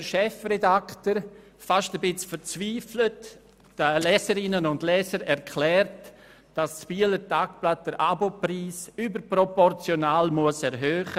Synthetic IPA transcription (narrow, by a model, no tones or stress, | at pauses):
əʃɛfrɛdaktəɾ | faʃtəbɪt͡sfəɾt͡sviːflətː | əlɛːsəɾɪnənʊndlɛːsəɾɛɾkʰlɛːɾt | d̥ast͡sb̥iələtaːkplat̚dəɾʔabopriːsyːbəɾpɾɔpɔɾt͡sjonaːlmuəsɛɾɦøːχə